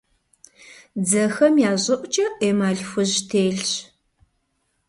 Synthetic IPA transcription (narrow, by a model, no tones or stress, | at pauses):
d͡zɐxɐmjaːʑʼɨʔʷʼt͡ʃʼɐʔeːmaːɮxʷʊʑtʰeːɮɕ